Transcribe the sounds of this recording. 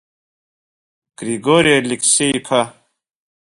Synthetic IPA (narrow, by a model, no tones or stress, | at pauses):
ɡ̥ɾiɡoːɾielikseikʰɐ